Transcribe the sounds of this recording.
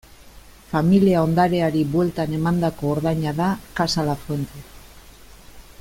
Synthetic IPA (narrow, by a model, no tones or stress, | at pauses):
familiao̞nd̪aɾe̞aɾiβwe̞lt̪ane̞mand̪ako̞ːɾðajɲaðakasalafɾue̞nt̪e